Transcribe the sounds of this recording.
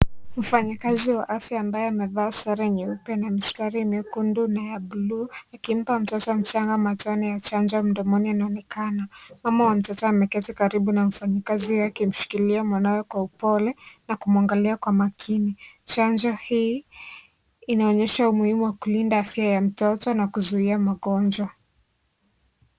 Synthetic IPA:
m̩faɲakaziwa̰ʔafjaːmbajɔamɛvaːsaɾɛɲɛupɛnamistaɾimɛukundunajabuluːakim̩pam̩tɔtɔm̩t͡ʃaŋɡamatɔnijat͡ʃand͡ʒɔm̩dɔmɔnianaɔnɛkanamamawam̩tɔtɔamɛkɛtikaɾiɓunam̩faɲikazihakim̩ʃi̥kiliamwanawɛkwaupɔlɛnakumuaŋɡaliakwamakʰinit͡ʃand͡ʒɔhiː | inaɔɲɛʃaumuhimuwakulindaafiajam̩tɔtɔnakuzuiamaɠɔnd͡ʒwa

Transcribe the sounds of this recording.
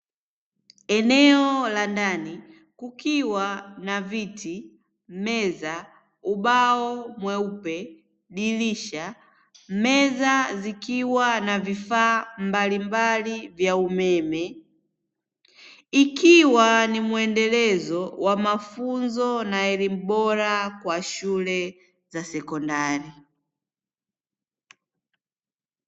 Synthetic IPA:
ɛnɛɔlandani | kukiwanaviti | mɛza | uɓaɔmwɛupɛ | ɗiliʃa | mɛzazikiwanavifaːmbalimbalivjaumɛmɛ | ikiwanimuɛndɛlɛzɔwʔamafunzɔnaɛlim̩ɓɔɾakwaʃulɛ | zasɛkɔndaɾi

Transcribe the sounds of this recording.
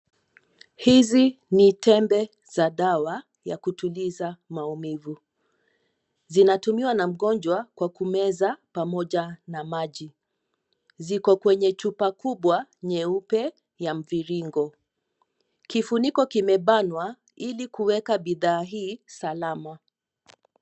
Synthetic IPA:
hizinitɛmbɛ | z̥aɗawa | ja̰kutulizamaumivu | zinatumiwanam̩ɠɔnd͡ʒwakwakumɛzapamɔʄanamaʄi | zikɔkwɛɲɛt͡ʃupakuɓwaɲɛupɛ | jam̩viɾiŋɡɔ | kifunikɔkimɛɓanwa | ilikuwɛkaɓiðaːɦiːsalama

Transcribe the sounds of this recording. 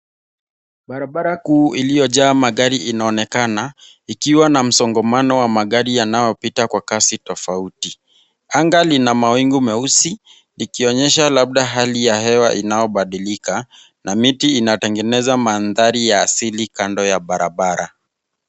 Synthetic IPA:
ɓaɾaɓaɾakuːʔilijɔʄaːmaɠaɾiʔinaɔnɛkana | ikiwanam̩sɔŋɡɔmanɔwamaɠaɾijanajɔpitakwakasitɔfauti | aŋɡalinamawiŋɡumɛusi | nikiɔɲɛʃalab̚ɗaɦalijahɛwaʔinajɔɓaɗilika | namitiːnatɛŋɡɛnɛzamanðaɾijaːsilikandɔjaɓaɾaɓaɾa

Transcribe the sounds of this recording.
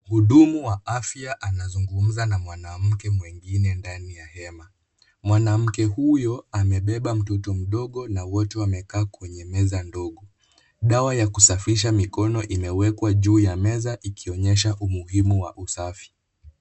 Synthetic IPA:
huɗumuwaafjaʔanazuŋɡum̩zanamwanam̩kɛmwɛŋɡinɛndanijahɛma | mwanam̩kɛhujɔamɛɓɛɓam̩tɔtɔm̩ɗɔɠɔnawɔtɛwamɛkaːkwɛɲɛmɛzandɔɠɔ | ɗawajakusafiʃ̬amikɔnɔʔimɛwɛkwaʄuːjamɛzaʔikiɔɲɛʃ̬aʔumuhimuwa̰ʔusafi̥

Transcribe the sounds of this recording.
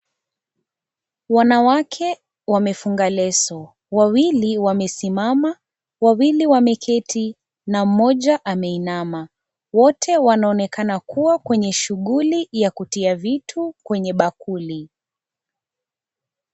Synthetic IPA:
wanawakʰɛ | wamɛfuŋɡalɛsɔ | wawiliwamɛsimama | wawiliwamɛkʰɛti | nam̩mɔʄaʔamɛinama | wɔtʰɛwanaɔnɛkʰanakuwakwɛɲɛʃuɠulijakutiavitʰukwɛɲɛɓakuli

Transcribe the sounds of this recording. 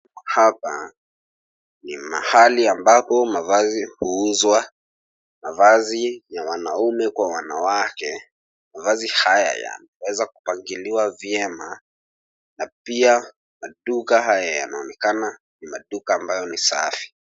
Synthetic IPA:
hapa | nima̰haliambapɔmavazihuuzwa | mavazijawanaumɛkwawanawakɛ | mavazihaja̰ja̰nawɛzaku̥paŋɡiliwavjɛma | napia | maɗukaɦajaja̰naɔnɛkana | nimaɗukaːmbajɔnisafi̥

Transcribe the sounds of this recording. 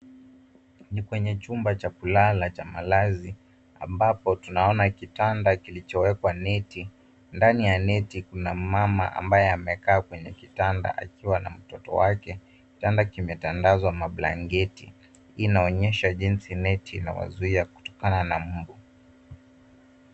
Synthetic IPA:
nikwɛɲɛt͡ʃumbat͡ʃakulalat͡ʃamalazi | a̰mbapɔtunaɔnakitandakilit͡ʃɔwɛkwanɛti | ndanijanɛtikunamama̰ʔa̰mbajɛamɛkaːkwɛɲɛkitanda̰ʔa̰kiwana̰m̩tɔtɔ̰wakɛ | itandakimɛtandazwamaɓla̰ŋɡɛtḭ | inaɔɲɛʃaʄinsinɛtina̰wa̰zuiaku̥tɔ̥kananam̩bu

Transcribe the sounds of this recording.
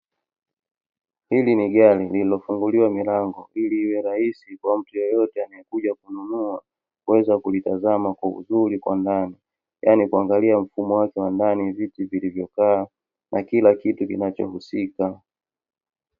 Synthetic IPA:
hiliniɠalilililɔfuŋɡuliwamilaŋɡɔʔiliwɛɾahisikwam̩tujɔjɔtɛanaɛkuʄakununua | kuwɛzakulitazamakwaṵzulikwandani | jʔanikuaŋɡaliam̩fumɔwakɛwandanivitivilivjɔkaː | nʔakilakitukḭnat͡ʃɔ̰husika

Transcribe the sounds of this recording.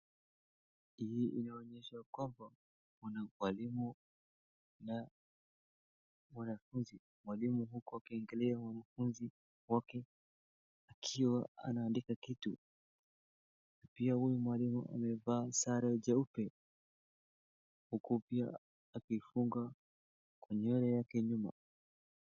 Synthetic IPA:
hiiʔinaɔɲɛʃakwamba | kunamwalimu | na | mwanafunzi | mwalimuɦukuakiɛŋɡɛlɛamwanafunzi | wakɛ | akʰiwaa̰naːndikakitu | napiahujumwalimuʔa̰mɛvaːsaɾaɛʄaupɛ | hukupia̰ː | kifuŋɡa | kwɛɲɛɔɾɛjakɛɲuma̰

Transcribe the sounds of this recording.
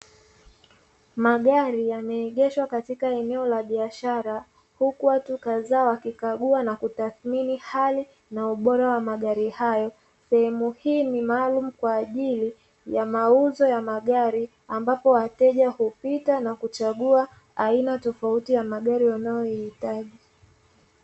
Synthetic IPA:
maɠaɾijamɛːɠɛʃwakatikaɛnɛɔlaɓiaʃaɾa | hukuwatukazawakikaɠuanakutaθminihali | nauɓɔɾawamaɠaɾihajɔ | sɛhɛmuhiːnimaːlum̩kwaːʄili | jamauzɔjamaɠaɾi | ambapɔwatɛʄahupitanakut͡ʃaɠuaː | inatɔfautijamaɠaɾiwanajɔjihitaʄi

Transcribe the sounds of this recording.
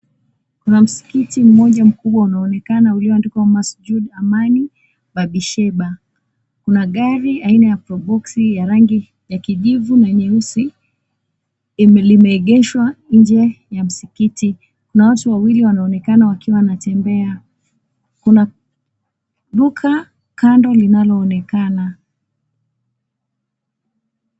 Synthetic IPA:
kunam̩si̥kitim̩mɔʄam̩kuɓwaunaɔnɛkanauliɔandikamasd͡ʒuɗamani | baɓiʃɛɓa | kunaɠaɾiainajapɾɔbɔksijaɾaŋɡi | jakiʄivunaɲɛusi | limɛɛɠɛʃwand͡ʒɛjam̩sikiti | kunawatuwawiliwanaɔnɛkanawakiwanatɛmbɛa | kuna | ɗukʰa | kandɔlinalɔːnɛkana

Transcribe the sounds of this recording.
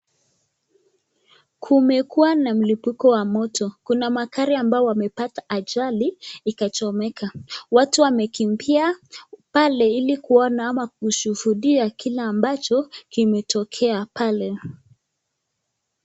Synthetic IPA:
kʰumɛkuwanam̩lipukɔwamɔtɔkunamakaɾiambaɔwamɛpataʔaʄaliikat͡ʃɔmɛkʰawatuwamɛkimbiapalɛilikuɔnaːmak̚uʃuhuɗiakʰilaːmbat͡ʃɔkimɛtɔkʰɛapalɛ

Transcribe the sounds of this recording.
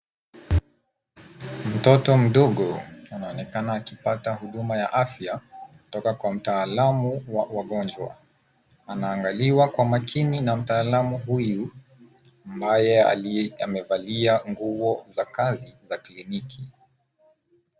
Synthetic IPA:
m̩tɔtɔm̩ɗɔɠɔanaɔnɛkanaːkipataɦuɗumaja̰ʔafjakutɔkakwam̩taːlamuwawaɠɔnd͡ʒwa̰ | anaːŋɡaliwakwamakʰininam̩taːlamuɦuju | ambajɛ̰a̰mɛvaliaŋɡuvɔzakazizaklinikʰi

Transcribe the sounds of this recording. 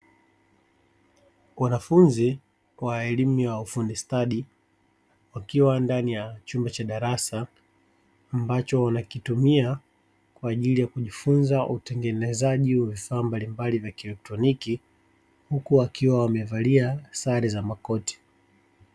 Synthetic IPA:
wanafunzi | waɛlimujaufundɛstaɗi | wakiwandanijat͡ʃumbɛt͡ʃaɗaɾasaː | mbat͡ʃɔwanakitumia | kwaːʄilijakuʄifunzautɛŋɡɛnɛzaʄiwavifaːmbalimbalivjakɛlɛk̚tɾɔniki | hukuakʰiwawamɛvaliasaɾizamakɔti̥

